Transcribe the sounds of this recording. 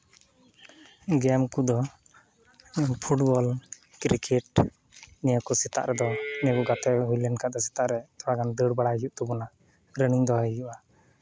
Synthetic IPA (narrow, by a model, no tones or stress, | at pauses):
ɡɛmkud̪ɔ | pʰuʈbɔlkɾikɛʈ | nɛjəkɔsɛt̪a̰ʔɾɛd̪ɔnɛəkɔɡat̪ɛɦujlɛnkaʔ̚d̪ɔsɛ̥t̪aʔɾɛt̪ɔɽaɡand̪əɽbaɽajuʔ̚t̪ɔbɔna | ɾəniŋd̪ɔɦəjuʔa